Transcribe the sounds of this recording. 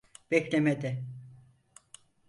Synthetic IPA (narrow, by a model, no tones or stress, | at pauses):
b̥ɛclʲemed̪ɪ